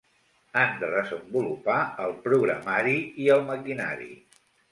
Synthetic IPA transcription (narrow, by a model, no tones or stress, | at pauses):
and̪əðəzəmbulupaəlˠpɾuɣɾəmaɾiiəlˠməkina̰ɾḭ